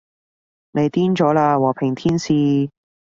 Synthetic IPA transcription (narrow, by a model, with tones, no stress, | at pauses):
ne˨˧jt̪iː˥nt͡ʃɔː˨˥laː˧wɔː˨˩pʰɪ˨˩ŋt̪ʰiː˥nsiː˧